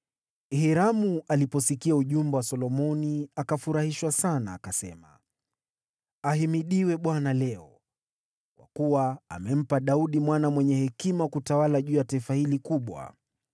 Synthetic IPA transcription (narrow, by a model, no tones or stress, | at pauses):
hiɾamualipɔsikiauʄumbɛwasɔlɔmɔniakafuɾahiʃwasana̰ːkasɛ̰ma̰ | aɦimiɗiwɛɓwanalɛɔ | kwa̰kuwaa̰mɛm̩paɗauɗimwanamwɛɲɛhɛkimakutawalaʄuːjataifahilikuɓwa̰